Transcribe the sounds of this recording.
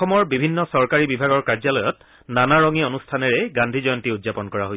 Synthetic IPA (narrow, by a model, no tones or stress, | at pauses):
ɔmɔɹbibʱinːɔsɔɹkaɹibibʱaɡɔɹkaɹzalɔjɔt | nanaɹɔŋionustʰanɛɹɛɡandʱizɔjɔntiudzapɔnkɔɹaɦoj